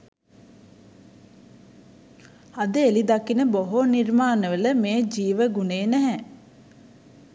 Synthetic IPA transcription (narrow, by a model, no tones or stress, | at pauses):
ad̪əelid̪akinəboɦonirmaːnəʋələmeːd͡ʒiːʋəɡuneːnæɦɛ